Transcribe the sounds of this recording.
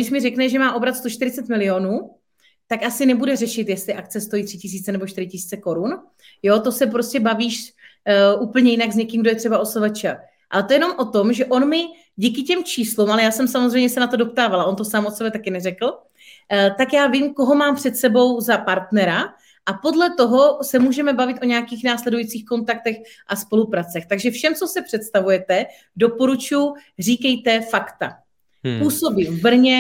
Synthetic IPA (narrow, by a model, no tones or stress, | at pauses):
dɪʃmɪrɛknɛʒɛmaːʔo̞bɾat̪st̪oʃt̪ɪɾɪt͡sɛt̪mɪlɪonuː | t̪akasɪnɛbudɛrɛʃɪt̪jɛst̪lɪʔak̚t͡sɛst̪o̞jiːt̪r̥ɪcɪs̬iːt͡sɛnɛboʃt̪ɪɾɪcɪsiːt͡sɛko̞ɾun | jo̞t̪o̞sɛp̬ɾoscɛbaviːʃ | ʔuːpl̩ɲɛjɪnaɡzɲɛkiːmɡdojɛt̪r̥ɛbaosovat͡ʃa | ʔa̰lɛt̪ojɛno̞mʔo̞t̪omʒɛʔo̞nmɪ | ɟiːkɪcɛmt͡ʃiːslumalɛjaːsɛmsamozrɛjmɲɛsɛnat̪o̞dop̚t̪aːvalaʔo̞nt̪o̞saːmot̪sɛbɛt̪akɪnɛrɛkl̩ˠ | t̪akjaːvɪmko̞ɦo̞maːmpr̝̥ɛt̪sɛbo̞wzapaɾt̪nɛɾa | ʔapo̞dlɛt̪o̞ɦo̞sɛmuːʒɛmɛbavɪt̪ʔoɲɛakiːxnaːslɛdujiːt͡siːxko̞nt̪ak̚t̪ɛx | ʔaspo̞lupɾat͡sɛxt̪aɡʒɛfʃɛmt͡so̞sɛpr̥ɛt̪st̪avujɛt̪ɛ | do̞po̞ɾut͡ʃujʊr̝iːkɛjt̪ɛfakt̪a̰ | puːso̞biːmvbr̩ɲɛ